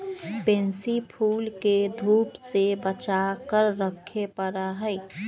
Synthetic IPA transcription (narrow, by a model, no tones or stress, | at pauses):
pẽːnsipʰuːlked̪ʱuːpsebət͡ʃakəɾːəkʰepəɾəɦəɪ